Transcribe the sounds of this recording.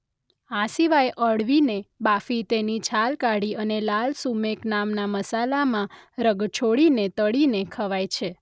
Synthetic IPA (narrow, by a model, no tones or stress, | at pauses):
asiʋajʔəɽʋinebafit̪enit͡ʃʰalkaɽiənelalsumeknamnaməsalamãɾəɡt͡ʃʰoɽinet̪əɽinekʰəʋajt͡ʃʰe